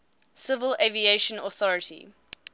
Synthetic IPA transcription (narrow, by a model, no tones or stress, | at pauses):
sɪvəlevieʃə̃nɔθɔɹətḭ